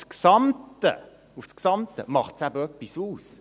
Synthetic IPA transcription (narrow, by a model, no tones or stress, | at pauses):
sksɑmtə̰ | ufsksɑmt̪əmɑχtsæbəœpːisuːs